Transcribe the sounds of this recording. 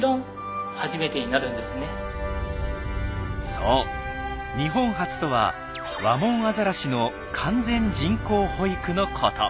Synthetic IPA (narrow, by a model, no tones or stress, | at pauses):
d̪õ | haʑime̞t̪e̞ɲinaɾɯ̟̃nd̪esɨne | soː | ɲ̟iɦõ̞ɰ̃ɦat͡sɨ̥t̪o̞βa̰ | βamõ̞ɰ̃azaɾaɕino̞ | kʰãnd͡zẽ̞ɲ̟d͡ʑĩŋko̞ːho̞ikɯ̟no̞kʰot̪ʰo̰